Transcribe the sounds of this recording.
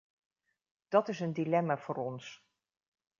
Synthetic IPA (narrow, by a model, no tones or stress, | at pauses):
d̥ɑtɪsəndilɛmaːvʊːɾɔns